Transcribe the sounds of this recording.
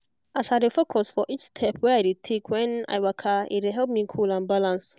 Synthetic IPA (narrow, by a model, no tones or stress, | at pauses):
asadefokʰɔsfɔʔit͡ʃstʰɛpʰwɛaɪdetʰekʰwɛ̃na̰ɪwakʰaɪ̰t̚ɪɦɛlp̚mĩkʰulãnbalãns